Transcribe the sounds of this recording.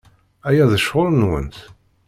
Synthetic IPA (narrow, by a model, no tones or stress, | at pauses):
æjæðəʃʊlnwə̰nt̪